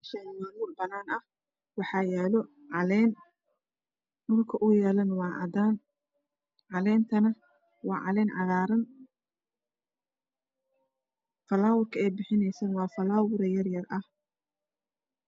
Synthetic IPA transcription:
ʃɐmɐnuːlbɐnaːnɐh | wɑħɑjɛːlɔ | ʕɑlɛːn | dʊlkʰɐʔʊjɛːlɐnwɑːʕɑ̰d̪aːn | ʕɑlɛːnt̪ʰɐnɐ | wɑ̰ːʕɑ̰lɛːnʕɑðaːɾɐn | fɐlaːwʊrkʰɐɛːbɪħɪnɛjsɐnwɑːfɐlaːwʊɾɐjɐrjɐrʔɐh

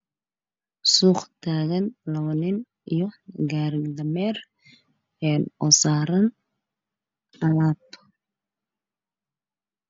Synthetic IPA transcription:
suːχt̪ʰaːɣɐnlɐwɐnɪn | ijɔɡaːɾɡd̪ɐmɛːr | ɛːnɔsaːɾɐn | ɐlaːt

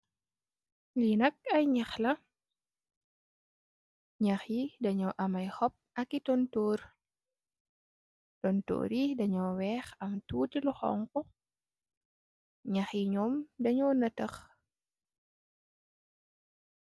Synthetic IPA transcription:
linɐk̚ɐjɲaxlɐ | ɲaxidɐɲɔwʔɐmɐjxɔp̚ɐkitɔntuːɾ | tɔntṵːɾidɐɲɔwwɛːxɐmtuːtiluxɔ̰ŋkɔ | ɲaxiɲɔmdɐɲɔwnətəx

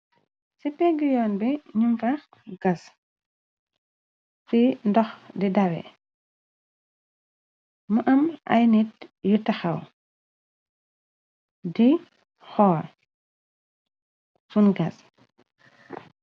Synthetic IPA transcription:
sipɛɡijɔːnbiɲumfɐx | ɡɐs | findɔxdidɐwɛ̰ | muʔɐmɐ̰jnit̚jutɐxɐw | di | xɔːɾ | funɡɐs

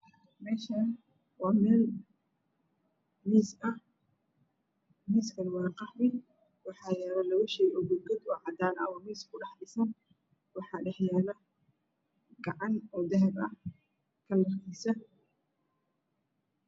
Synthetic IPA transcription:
mɛːʃɐn | wɑːmɛːl | miːsɐh | miːskʰɐnwɑːqɑħɪ | wɑħɑːjɛːɾɐlɐwɐʃɛjʔɔːɡʊɡɐd̪ɔːʕɑd̪aːnɐ̰ɔmiːskʰʊɖɑħdɪsɐn | wɑħɑːɖɑħjaːlɐ | ɡɑʕɑnɔːd̪ɛɦɛbɐ | kʰɐlːɐrkʰiːsɐ

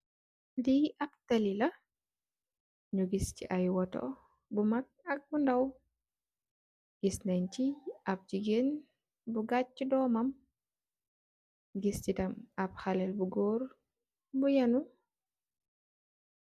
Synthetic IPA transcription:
ndiʔɐp̚tɐlilɐ | ɲuɡisciʔɐjwɔtɔ̰ | bumɐk̚ɐk̚bundɐw | ɡisnɛntiʔɐp̚d͡ʒiɡen | buɡaudɔːmɐm | ɡistidɐmɐp̚xɐlɛlbuɡɔːɾ | bujɐnu

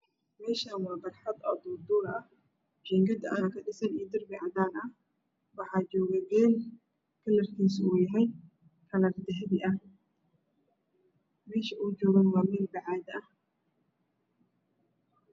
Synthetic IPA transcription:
mɛːʃaːnwɑːbɐrħɑd̪ɔːd̪ʊɾd̪uːɾɐ | d͡ʒɛŋɡɐd̪ʔakʰɐɗɪsɐnɛːd̪ɪrbɪʕd̪aːnɐ | wɑħɑːd͡ʒɔːɣɐɡɛːl | kʰɐlɐrkʰiːsuːjɐɦɛj | kʰɐlɐrd̪ɛɦðɪʔɐh | mɛːʃɐʔuːd͡ʒʊɾɔnwaːmɪnbɪʕaːd̪ɐh

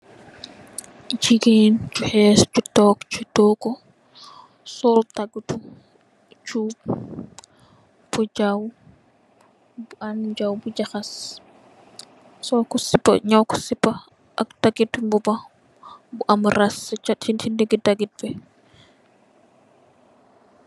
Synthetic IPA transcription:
d͡ʒiɡind͡ʒuhɛst͡ʃutɔkt͡ʃutɔkɔ | sɔltaɡtu | t͡ʃub̚ | b̥ud͡ʒaw | buʔand͡ʒawbud͡ʒaxas | sɔkɔsipa̰ɲawkɔ̥sipa | ʔa̰ktaɡitumbuba | buʔamɾasɛt͡ʃatintindiɡidaɡit̚fɛ

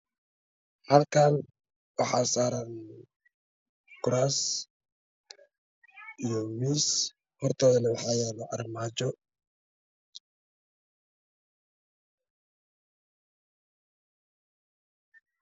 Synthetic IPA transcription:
hɐlkʰaːn | wɑħɑ̰ːsaːɾɐn | kʊɾas | ʔijɔmiːs | hɔrt̪ʰɔːðɐnɐwɑħɑːjɛːlɐʔɐrmaːt͡ʃɔ

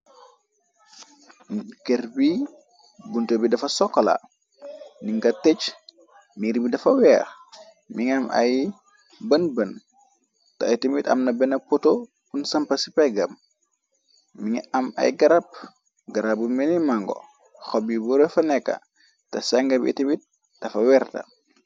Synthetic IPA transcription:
keɾbi | buntobidɐfɐsɔkːɔla̰ | niŋɡɐtet͡ʃ | miɾibidɐfɐwɛːɾ | miŋɐma̰j | bɐnbɐn | ta̰itimitɐ̰mnɐbɛnɐpoto | punsɐmpɐsipeɡɐm | mːiŋɐmɐ̰jɡɐɾab̚ | ɡɐɾabumenimaŋɡo̰ | xobibuɾɛfɐnɛkːa̰ | tasaŋɡɐbḭtimit̚ | d̥ɐfɐwɛɾtɐ̰

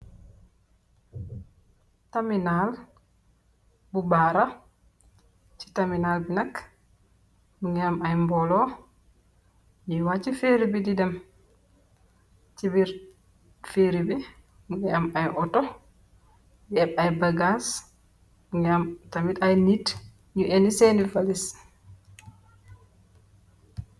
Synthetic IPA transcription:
taminal | bubaɾa | t͡ʃi̥taminalbinak | muŋɛamajmbɔlɔ | jiwatifeɾibididɛm | t͡ʃibiɾ | feɾibɛ | muŋɛamajʔɔtɔ | jɛɓajbaɡas | muŋamtamitajnit | ɲuʔɛnisenifalis

